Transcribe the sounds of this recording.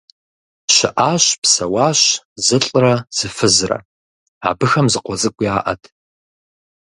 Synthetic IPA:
ɕɪʔaːɕpsɐwɑːɕ | zɨɬʼrɐz̥ɨfɨzrɐ̰ | a̰ːbɨxɐmzɨqʷɔt͡sʼɨkʷʼiaːʔɐ̰tʰ

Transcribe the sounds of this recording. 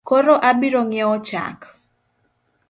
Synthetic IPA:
koɾoʔabiɾoŋɛɔt͡ʃa̰k

